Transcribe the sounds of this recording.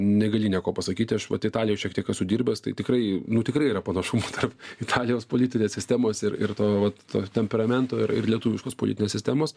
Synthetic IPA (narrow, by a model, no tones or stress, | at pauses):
nʲɛɡɐlʲinʲiɛkoːpɐsɐkʲiːt̪ʲɪɐʃʋɐ̰t̪ɪt̪ɑːlʲɪjoʃʲiɛkt̪ʲiɛkɐsʲʊd̪ʲiːɾʲbʲɛst̪ɐɪt̪ʲɪkɾɐɪnʊt̪ʲɪkɾɐɪiːɾɐpɐnɐʃʊmot̪ʰɐrpɪt̪ʰɑːlʲɪjoːspoːlʲiːt̪ʲɪnʲeːssʲɪsʲt̪ʲæːmoːsɪɾɪ̰rt̪oːʋɐt̪o̰ːt̪ʲɛmʲpʲɛɾɐmʲɛnt̪oːɪɾɪ̰rlʲiɛt̪uːʋʲɪʃkoːspo̰ːlʲɪ̰t̪ʲɪneːsʲɪstʲæːmoːs